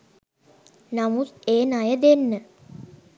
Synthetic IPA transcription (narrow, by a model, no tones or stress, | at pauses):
namut̪eːnajəd̪enːə